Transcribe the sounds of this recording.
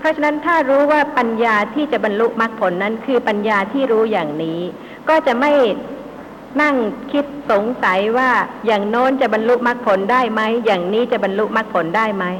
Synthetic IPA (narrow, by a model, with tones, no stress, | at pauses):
pʰɾɔ˦˥t͡ɕʰa˧na˦˥nt̪ʰaː˥˩ɾuː˦˥waː˥˩pa˧njaː˧t̪ʰiː˥˩t͡ɕa˨˩ba˧nlu˦˥ʔma˦˥k̚pʰo˨˩˦nːa˦˥nkʰɯː˧pa˧njaː˧t̪ʰiː˥˩ɾuː˦˥jaː˨˩ŋniː˦˥ | kɔː˥˩t͡ɕa˨˩ma˥˩j | na˥˩ŋkʰi˦˥t̪̚so˨˩˦ŋsa˩˦jwaː˥˩jaː˨˩ŋnɔː˦˥nt͡ɕa˨˩ʔba˧nlu˦˥ʔ̚ma˦˥k̚pʰo˨˩˦ndaː˥˩jma˦˥jːaː˨˩ŋniː˦˥t͡ɕa˨˩ʔba˧nlu˦˥ʔ̚ma˦˥k̚pʰo˩˦ndaː˥˩jma˦˥j